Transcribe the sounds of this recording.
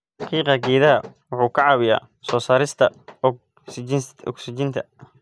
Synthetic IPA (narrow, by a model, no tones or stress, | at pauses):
ħɑqiːqɐɡɛːðɐɐwʊħuːkʰɐʕɑːwɪja̰ː | sɔːsaːɾɪst̪ʰɐ | ɔ̰ksɪt͡ʃɪnt̪ʰɐ